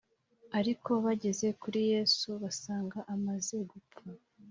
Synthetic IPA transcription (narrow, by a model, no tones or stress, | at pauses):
aɾiko̞βaɟe̞ze̞kuɾije̞ːsuβasaːŋɡaʔamaze̞ɡup͡fa